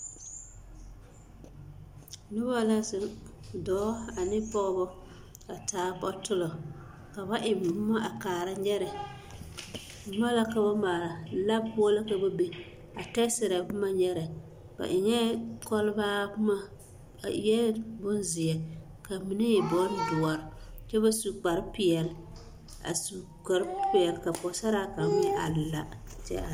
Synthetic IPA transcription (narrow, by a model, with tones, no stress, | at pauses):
nʊ˦ba˦la˦sɪ˨dɔː˦a˨nɪ˦pɔ˦ɣbɔ˦ | a˨taː˨˦pɔ˦tʊ˦lɔ˨ | ka˨ba˦ʔɪ˨m˨˦ma˦ʔa˨kaː˨ɾa˦ɲɛ˦ɾɛ˨ | bʊ˦ma˦la˦ka˨ba˦maː˨ɾa˨la˦bpʊ˦la˦ka˨ba˦be˨ | a˨tɛ˦sɪ˨ɾa˨bʊ˦ma˦ɲɛ˦ɾɪ˨ | b̥a̰˨ʔɪ˨ɲɛ˦kɔ˦lbaː˦bma˦˨ | jɛ˦bʊ˦n˦zɪ˨ɛ˨ | ka˨mi˨˦ne˦ɪ˨bɔ˦ɾdʊ˨ɔ˨ɾ | t͡ʃɛ˦ba˦su˨k͡pa˨ɾpɪ˨ɛ˨l | a̰˨su˨ | ka˨ɾpɪ˨ɛ˨lka˨pɔ˨˦sa˦ɾa˦ka˨˦mɪ˦ʔa̰˨lla̰˨ | t͡ʃɛ̰˦a˨